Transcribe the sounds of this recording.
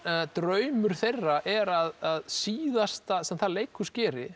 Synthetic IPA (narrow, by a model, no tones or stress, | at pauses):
t̪ɾœːɥmʏɾ̥θejrːaʔɛɾaðaðsiːðast̪asɛmθaðlejkʰʏscɛːɾɪ